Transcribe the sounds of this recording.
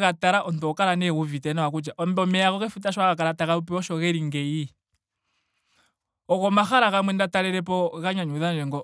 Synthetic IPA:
kataɾaʔɔnt̪uɔkaɾanɛuvitɛnawak̬ud͡ʒaʔɔmbɛɔmɛakɔkɛfutaʃwakakaɾatakaɾupɛɔʃɔɣɛɾiŋɡɛi | ɔkɔmaxaɾakamwɛndataɾɛɾɛpɔɣaɲaɲuðand͡ʒɛŋɡɔ

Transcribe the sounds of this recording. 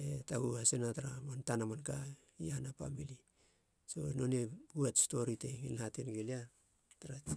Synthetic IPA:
etaɡuasenataɾamantanamanka | ianapa̰mili | so̞̰no̞neɡuatsto̞ɾiteŋinhatenɡelia | taɾa

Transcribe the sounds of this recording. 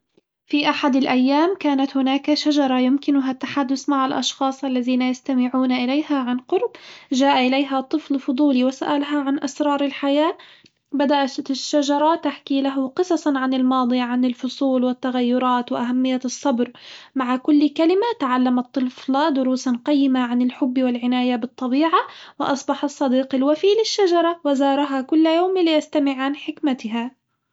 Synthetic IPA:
fiʔaħad̪ɪlʔajːaːmkaːnat̪hʊnaːkaʃaʒɑɾˤɑjʊmkɪnʊɦat̪ːaħad̪ːʊθmaʕalʔɑ̰ʃxɑːsˤʔalːaðiːnajast̪amɪʕuːnaʔɪlejhaʕanqʊɾbʒaːʔaʔɪlejɦat̪ˤːɨflfʊd̪ˤuːliwɪsa̰ʔalɦaʕanʔasɾˤɑːɾˤɪlħajaː | bad̪aʔaʃːaʒɑɾˤɑt̪aħkilaɦʊqɨsˤɑsˤɑʕanɪlmɑːd̪ˤijʕanɪlfʊsˤuːlwɪt̪ːaɣajːʊɾˤɑːt̪wɪʔaɦamːɪjːaɨsˤːɑbɾmaʕakʊlːkalɪmat̪aʕalːamɑt̪ˤːɨflɑd̪ʊɾuːsanqɑjːɪmaʕanɪlħʊbːwɪlʕɪnaːjabɨt̪ˤːɑbiːʕawɪʔɑsˤbɑħɑsˤːɑd̪iːqɪlwafiːlɪʃːad͡ʒɑɾˤɑwɪzɑːɾˤɑɦakʊlːjoːmlːɪjast̪amɪʕanħɪkmat̪ɪɦa

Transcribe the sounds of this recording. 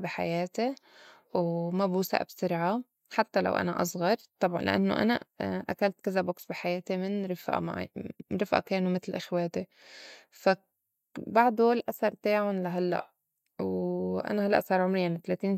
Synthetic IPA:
bɪħa̰jeːt̪e | wmabuːsa̰ʔa̰bsɪɾʕa | ħat̪ːala̰wʔa̰na̰ʔɑ̰sˤɣɑɾˤt̪ˤːɑbʕɑnlʔɪ̰ʔa̰nːo̰ʔa̰naʔa̰kalt̪kazaboksbɪħajaːt̪imɪnɾɪfʔa̰ma̰ɾɪfʔa̰keːnumɪt̪lʔaxwaːt̪e | fa | baʕd̪olʔasɑɾˤt̪aːʕʊnlaɦalːa̰ʔ | wʔa̰nahalːa̰ʔsˤɑːɾˤʕʊmɾɪjːaʕnɪt̪alaːt̪iːn

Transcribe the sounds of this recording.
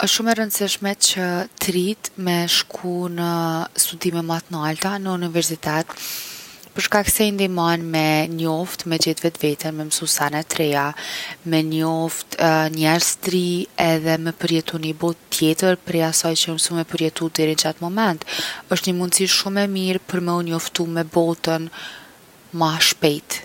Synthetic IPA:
ɔʃʃumɛɾənd̪siʃmɛt͡ɕət̪ɾit̪mɛʃkʰunəst̪ud̪imɛmat̪nalt̪anəunivɛɾsit̪ɛt̪ | pəɾʃkaksɛind̪imanmɛɲɔft̪mɛd͡ʑɛt̪vɛt̪vɛt̪ənmɛmsusanɛt̪ɾɛjamɛɲɔft̪ɲɛɾst̪ɾiɛðɛmɛpəɾjɛt̪unibɔt̪t̪ːjɛt̪əɾpɾɛjasɔjt͡ɕəəmsumɛpəɾjɛt̪ud̪ɛɾinəd͡ʑat̪mɔmɛnt̪əʃt̪ɲəmund̪siʃʃumɛmiɾpəɾmɛunɔft̪umɛbɔt̪ən | maʃpɛjt̪

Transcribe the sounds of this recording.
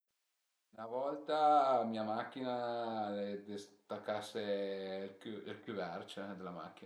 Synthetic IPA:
unavɔlt̪amiːamak̟ːinaled̪est̪akːasːelkuilkjuvɛrt͡ʃed̪elama̰k̟ːina

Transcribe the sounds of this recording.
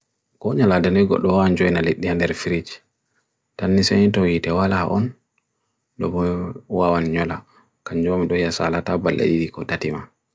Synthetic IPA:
kɔɲaladɛndɔjɡɔ̰ɗːɔwawand͡ʒɔjinaleɗːiandɛɾfiɾid͡ʒ | tanːisɛnitɔwitɛwalaha̰ʔɔn | ɗɔ̰bɔwawanɲɔla | kaɲd͡ʒɔmiɗɔjasa̰latabalːa̰ɗidikɔtatima

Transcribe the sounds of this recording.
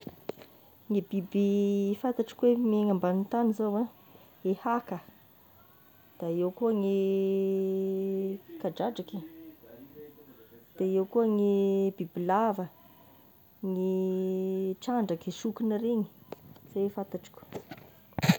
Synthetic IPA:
ŋibibifant̪aʈ͡ʂi̥kwemeŋambanint̪anizawa | ehakə | d̪̥aewkuəŋi | kaɖ͡ʐaɖ͡ʐaki | d̪̥eewkuəŋibibilavə | ŋi | ʈ͡ʂaɳɖ͡ʐakiʃukinəɾeŋi̥z̥efant̪aʈ͡ʂi̥kʲu̥

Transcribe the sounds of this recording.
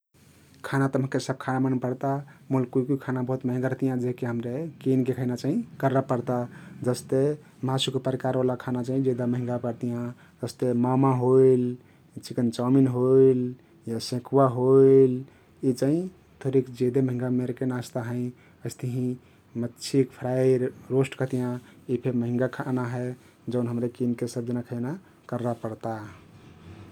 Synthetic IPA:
kʰanat̪əmɦə̃kesəb̚kʰanamənpəɾt̪amulkuikuikʰanabəɦut̪məɦĩŋɡaɾət̪ijãd͡ʒekeɦəmɾekinkekʰəinat͡ʃaɦĩkəɾəpəɾt̪ad͡ʒəst̪e | məɦasukepəɾikaɾʋalakʰanat͡ʃaɦĩd͡ʒed̪aməɦĩŋɡapəɾt̪ijã | d͡ʒəst̪emamaɦoil | t͡ʃikənt͡ʃaminɦoil | jasẽkʰwaɦoil | it͡ʃaɦĩ | t̪ʰoɾikd͡ʒed̪eməɦĩŋɡameɾkenast̪aɦə̃ĩ | əɪst̪eɦĩ | mətːt͡ʃʰikpʰɾaiɾɾosʈkəɦt̪ijãipʰeməɦĩŋɡakʰanaɦɛ | d͡ʒənɦəmɾekinkesəb̚d͡ʒənakʰəɪna | kəɾːapəɾt̪a

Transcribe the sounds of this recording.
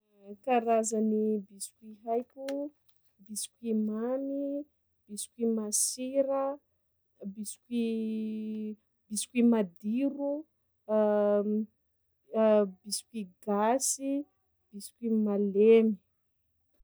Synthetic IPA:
kaɾazanibisi̥kʲiɦajkʲu | bisi̥kʲimani | b̥isi̥kʲimasiɾə | bisi̥ki | bisi̥kʲimad̪iɾu | bisi̥kʲiɡasi | b̥isi̥kimalemi̥

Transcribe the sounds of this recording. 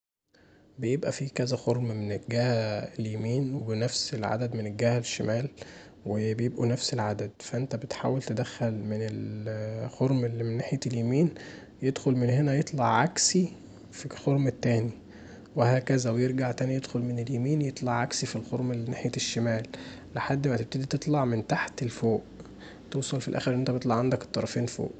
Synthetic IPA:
bejebʔæfikæzæxoɾmmenelɡæːhæeljemiːnwebenæfselʕa̰d̪æd̪menelɡæːhæleʃːemæːl | webejebʔunæfselʕad̪æd̪fæʔent̪æbet̪ħa̰ːwælt̪ed̪æxːælmenel | xoɾˤmelːimenːaħjæljemiːn | jed̪xolmenhenæjet̪ˤlɑʕʕaksi | fixoɾˤmt̪ːæːni | wehæːkæzæwejeɾɡaʕt̪æːnijed̪xolmeneljemiːnjet̪ˤlɑʕʕaksifilxoɾˤmelːinaħjæʃːemæːlː | eħad̪ːmæt̪ebt̪ed̪it̪et̪ˤlɑʕment̪aħt̪elfoːʔ | t̪uːsˤɑlfilʔæ̰ːxeɾʔent̪æbet̪ˤlɑʕand̪ækt̪ˤːɑɾˤɑfeːnfo̰ːʔ

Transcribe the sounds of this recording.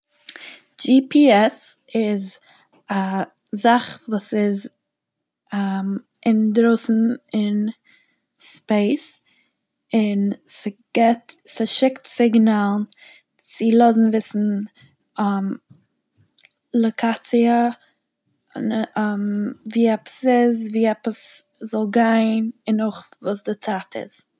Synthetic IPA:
d͡ʒipiɛsɪz | a | zaχvuːsɪz | am | ʔɪndɾoʊsn̩ɪn | speɪs | ɪnsɪɡ̥ɛtsɪʃɪktsɪɡnalˠn | t͡sɪlˠɔzn̩vɪsn̩ | am | lˠokʰat͡siə | mviːɛpə̥sɪzviːɛpəs | zɔlˠɡaɪnɪnɔχvuːsdɪt͡saːtʰɪ̰z̥

